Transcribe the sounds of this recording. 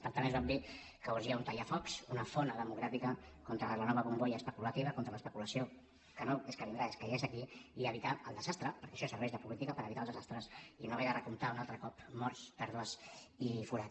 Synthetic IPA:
pəɾt̪anezβam̚d̪i | kəuʒiaunt̪ajafɔksunəfonəðəmuɣɾafikəkɔnt̪ɾələnɔβəβumbojəːspəkulət̪iβəkont̪ɾələspəkuləsio | kənoeskəβind̪ɾaeskəjesəkiiəβit̪aəlˠd̪əzast̪ɾəpəɾkɛʃɔsəɾβɛʒðəpulit̪ikəpəɾəβit̪alˠzəzast̪ɾəsinoβɛjərəkunt̪aunalˠt̪ɾəkɔpmɔɾsp̪ɛɾðuəsifuɾa

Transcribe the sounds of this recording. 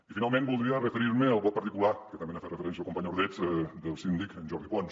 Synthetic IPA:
ifinalˠmẽnbulˠd̪ɾiərəfəɾiɾməəlˠβɔp̚ːəɾt̪ikulakət̪əmbenafet̪rəfəɾɛnsiəkumpaɲoɾðɛt̪d̪əlˠsind̪ikənʒɔɾðipɔns

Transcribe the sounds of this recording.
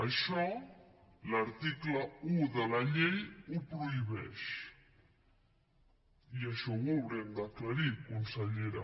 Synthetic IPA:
ɐʃɔ | laɾt̪iklauðəlaʎejupɾoiβɛ̰ʃ | iaʃɔβolɾɛnd̪aklaɾikunsəʎeɾa̰

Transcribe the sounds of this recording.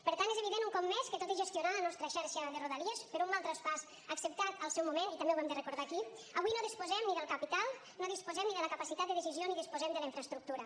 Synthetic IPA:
pəɾt̪anezeβ̞iðenuŋkɔpːɛskət̪ot̪iʒəst̪iunalənɔst̪ɾəʃɛɾʃəðəruðəliespəɾummalˠt̪ɾəspas | əksəp̚t̪at̪əlˠsɛwmumenit̪əmbewɛmd̪ərəkuɾð̞aki | əβwinoðispuzɛmniðəlˠkəpit̪alˠ | noðispuzɛmniðələkəpasit̪at̪d̪əðəsizioniðispuzɛmd̪ələiɱfɾəst̪ɾuk̚t̪uɾə

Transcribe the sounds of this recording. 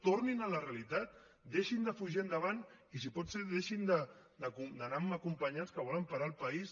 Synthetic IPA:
t̪oɾninələreɐlit̪at̪̚ | d̪eʃind̪əfuʒiənd̪əβ̞an | isipɔt̪seðeʃind̪ə | d̪əkud̪ənaməkumpəɲaskəβ̞ɔləmpaɾalˠpɐis

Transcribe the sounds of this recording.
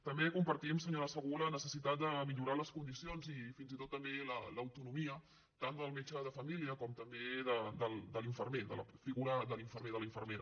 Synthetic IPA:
t̪əmbekumpəɾt̪iəmsəɲoɾəsəɣulənəsəsit̪at̪̚d̪əmiʎuɾaləskund̪isionzifinzit̪ot̪ːəmbelələwt̪unumiə | t̪and̪əlˠmet͡ʃəðəfəmiliəkɔmt̪əmbeðəd̪əlˠd̪əliɱfərmed̪ə̰lə̰fiɣuɾəðəliɱfəɾmeðələiɱfərmeɾə

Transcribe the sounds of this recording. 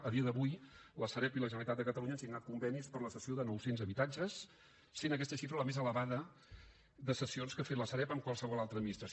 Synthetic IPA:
əðiəðəβujləsəɾɛpiləʒənəlit̪at̪d̪əkət̪əluɲənsiɡnat̪̚kumbɛnispəɾləsəsioðənɔwsenzəβit̪ad͡ʒəsː | enək̬ɛst̪əʃifɾələmezələβaðə | ðəsəsionskəfet̪ləsəɾɛpəmkwalˠsəβɔlalˠt̪ɾəd̪minist̪ɾəs

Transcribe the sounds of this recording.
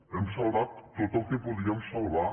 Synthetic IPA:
ɛmsalβat̪ːot̪əlˠkebuðiɛmsalˠβa

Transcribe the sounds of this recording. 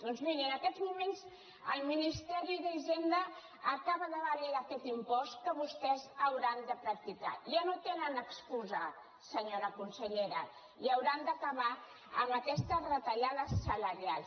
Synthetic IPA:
d̪̥ɔnzmiɾiənəkɛd̪zmumenz | ə̰lˠminist̪ɛɾiðaʒend̪əː | kaβəðəβəleakɛt̪impɔst̪kəβust̪ɛzəwɾand̪əpɾək̚t̪ikaʒanot̪enənəkskuzə | səɲoɾəkunsəʎeɾə | iəwɾand̪əkəβa | ə̰məkɛst̪ərət̪əʎaðəsələɾialˠs

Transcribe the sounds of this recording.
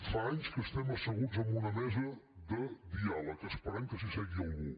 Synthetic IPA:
faaɲskəst̪ɛməsəɣuzəmbunəmɛzəðəðialˠəkəspəɾɛmkəs̬isɛɣiɐlˠɣu

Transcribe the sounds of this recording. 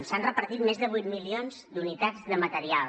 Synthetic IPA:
sanrəpəɾt̪it̪mezðəβujt̪milionzd̪unit̪ad͡zd̪əmət̪əɾial

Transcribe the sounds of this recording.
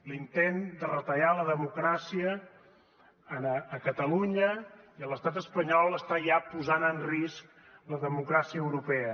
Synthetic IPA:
lint̪end̪ərət̪əʎaləðəmukɾasiə | nəːkət̪əluɲəiəlˠəst̪at̪əspəɲɔlˠəst̪aʒapuzanənrisk | ləðəmukɾasiəəwɾupɛə

